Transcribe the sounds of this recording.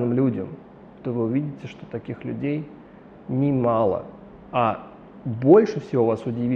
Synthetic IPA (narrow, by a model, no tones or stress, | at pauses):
nɨmlʲudʲəm | t̪ovɨʊvʲidʲɪtʲɪʂt̪o̞̥t̪ɐkʲixlʲʉ̰dʲej | nʲɪmalˠə̰ | a | bo̞lʲʂɨfsʲɪvovasʊdʲɪvʲi